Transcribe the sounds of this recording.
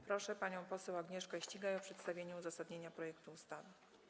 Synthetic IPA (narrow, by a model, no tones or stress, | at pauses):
pɾɔʂɛpaɲɔ̃w̃pɔsɛwaɡɲɛʂkaɕt͡ɕiɡajɔpʂɛt̪st̪avʲjeɲɛuzasad̪ɲeɲapɾɔjɛkt̪uːst̪avɘ